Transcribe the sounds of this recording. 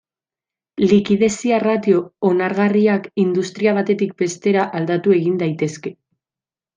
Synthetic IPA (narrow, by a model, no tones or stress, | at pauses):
likiðe̞siarat̪io̞onaɾɣariakind̪ust̪ɾiaβ̞at̪e̞t̪ik̚be̞st̪e̞ɾaʔald̪at̪ue̞ɣind̪ajt̪e̞ske̞